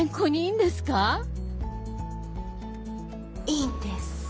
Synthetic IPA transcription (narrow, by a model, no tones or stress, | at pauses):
ẽŋkoɲ̟iiːnd̪esɨ̥ka | iːnd̪es